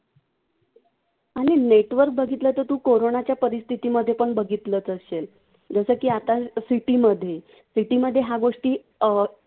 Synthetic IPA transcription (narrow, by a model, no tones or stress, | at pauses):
aɽ̃ineʈʋəɾk̚bəɡʱit̪lət̪ət̪uːkoɾonat͡ɕjapəɾist̪ʰit̪iməd̪ʱːjepəɳbəɡit̪lət͡səɕel | d͡zəsəːkiːat̪asiʈiməd̪ʱːje | siʈiməd̪ʱːjeɦaɡoʂʈiː